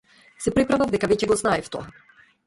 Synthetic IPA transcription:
sɛpɾɛpɾavavd̪ɛkavɛcɛɡɔznaɛft̪ɔ̰a

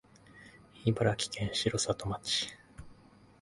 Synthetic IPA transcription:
ibɯɾakʲi̥kẽ̞ɰ̃ɕiɾo̞sat̪o̞mat͡ɕi̥

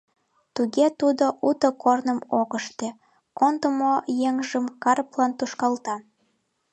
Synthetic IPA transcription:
t̪uɣet̪ud̪oʔut̪əkornəmoɣəʃt̪e | kont̪əmojeŋʒəmkɑrplɑnt̪uʃkɑlt̪ɑ

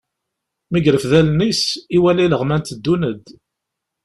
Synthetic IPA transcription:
miɡɾəfðælnisiwæliləʁmænt̪d̪ːunəd̪

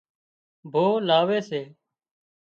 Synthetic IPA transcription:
bʱoːlaːʋeːseː

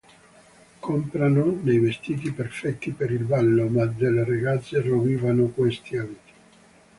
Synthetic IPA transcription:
kompɾanonejvest̪iːt̪̬iperfɛt̪ːipeɾilbalːomad̪eleraɡat̪sːeroviːvanokwest̪iavit̪i̥

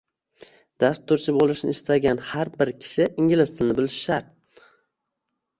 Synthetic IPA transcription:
d̪ast̪ʰːʊɾt͡ʃʰɪbolˠɪʃnɪ̰ɪʃt̪ʰaɡʲanhaɾbɪɾkʲʰɪ̥ʃɪɪŋɡʲɪlɪst̪ʰɪlnɪbɪlɪʃɪ̥ʃaɾ

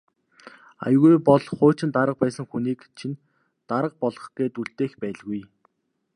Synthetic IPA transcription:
a̰jɣujpɔɮχʊːt͡ɕɪ̆nt̪aɾə̆q̚pæːsə̆ŋxuniːkt͡ɕʰin | t̪aɾə̆q̚pɔɮɞ̆χɡ̥eːt̪uɬt̪eːxpæːɮɣuj

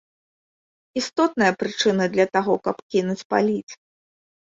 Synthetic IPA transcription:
ist̪ɔt̪̚nɐjɐpɾɨt͡ʂɨnɨd̪lʲɐt̪aɣɔkɐpkʲinut͡sʲpa̰lʲit̪s

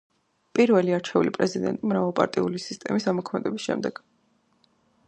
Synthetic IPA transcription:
pʼiɾvɛliaɾt͡ʃʰɛulipʼɾɛzid̪ɛ̰nt̪ʼimɾavalˠpʼa̰ɾt̪ʼiulisist̪ʼɛmisamɔkʰmɛd̪ɛbisʃɛ̰md̪ɛɡ̥

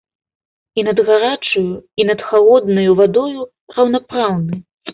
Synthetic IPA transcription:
inɐd̪ɣaɾat͡ʂujuinɐt̪xalˠɔd̪nɐjuvad̪ɔju | rɐwnapɾawnɨ

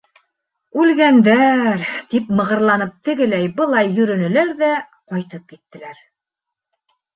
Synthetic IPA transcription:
ʉlɡænd̪æɾt̪ipmɤ̆ʁɤ̆ɾlˠɑnɤp̚t̪ɘ̆ɡɘ̆læjbɤ̆lˠɑjːɵ̆ɾɵ̆nɘ̆læɾðæ | qɑjt̪ɤp̚kit̪ːɘ̆læɾ

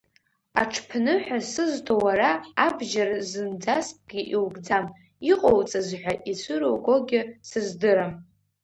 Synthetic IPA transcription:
aʈ͡ʂʰpʰnɨħʷᶣasɨztʰowaɾaːbʒaɾazɨnd͡zasp̚ʼɡ̥ʲiʔiwɡʼd͡zam | iqʼowt͡sʼazħʷᶣaʔit͡sʷʰɨɾowɡo̞ɡʲɪsɨzdɨɾam

